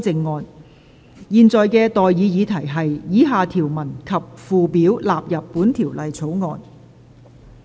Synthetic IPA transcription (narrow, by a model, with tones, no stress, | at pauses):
t͡sɪ˧ŋːɔː˨˧n | jiː˨˧nt͡sɔː˨jkɛː˧t̪ɔː˨jjiː˨˧jiː˨˧t̪ʰɐ˨˩jɦɐ˨jjiː˨˥ɦaː˨t̪ʰiː˨˩wmɐ˨˩nkʰɐ˨p̚fuː˨piː˨˥wlaː˨p̚jɐ˨˩pːuː˨˥nt̪ʰiː˨˩wlɐ˨jt͡sʰo˨˥wŋɔː˨˧n